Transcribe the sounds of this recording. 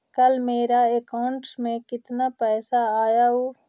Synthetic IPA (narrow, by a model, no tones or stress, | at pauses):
kəlmeːɾaekaʊɳʈsmẽkɪt̪napɛːsaaːjaɦoː